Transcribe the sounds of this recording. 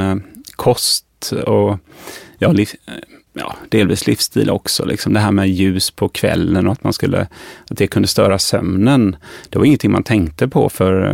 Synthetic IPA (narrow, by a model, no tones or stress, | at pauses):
kʰɔst̪ɔ | jɑːlɪ | jɑ̰ːd̪̥eːlviːslɪfst̪ʰḭːlɔ̰ksɔ̰lɪksɔmd̪ɛɦæːɾmɛjʉ̟ːspʰɔkʰvɛ̰lːənɔat̪manskɵlːʔə̰at̪̚d̪ɛkʰɵnd̪əst̪œːɾasœmnənd̪̥ɛvaɾɪŋənt̪ʰɪŋma̰nt̪ʰɛŋkt̪əpʰɔ̰fœɾ